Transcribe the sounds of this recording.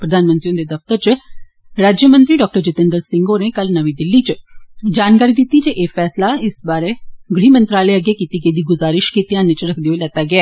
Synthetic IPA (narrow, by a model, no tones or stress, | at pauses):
pɾəd̪ʱaːnmə̃nt̪ɾiõnd̪eːd̪ɐft̪əɾt͡ʃ | ɾaːd͡ʒjəmə̃nt̪ɾiːɖɔːk̚ʈəɾd͡ʒɪt̪ə̃nd̪əɾsɪ̃ŋɡoːnekəlnəʋiːd̪ɪlːit͡ʃd͡ʒaːnkaːɾid̪ɪt̪ːid͡ʒeʔeːfɛːslaɪsbaːɾeɡɽ̤iːmə̃nt̪ɾaːleəɡeːkiːt̪iːɡed̪iːɡʊzaːɾɪʃkiːt̪ijãːnːet͡ʃɾəkʰd̪eoelɛːt̪aːɡɪɛː